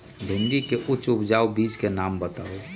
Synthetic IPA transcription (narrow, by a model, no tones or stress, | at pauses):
bʱɪ̃nd̪ikeʔʊt͡ʃʊpd͡ʒaːwbiːd͡ʒkenaːmbət̪aːo